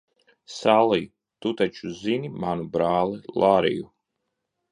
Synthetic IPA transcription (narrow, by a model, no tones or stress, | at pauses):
salˠij | t̪ut̪at͡ʃuzinimanubɾaːlˠilˠaɾḭju